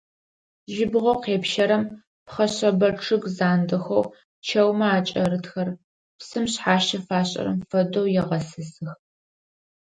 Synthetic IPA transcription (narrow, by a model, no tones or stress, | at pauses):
ʒɪbʁʷɐqeːpʃɐɾɐm | pχɐɕɐbɐrʈ͡ʂʰɨɡzaːndɐxɐw | t͡ʃʰɐwmɐaːt͡ʃʼɐɾɨtxɐr | psɨmɕħaːʃɐfaːɕʼɐ̰ɾɐ̰mfɐdowjɛʁɐsɨsɨx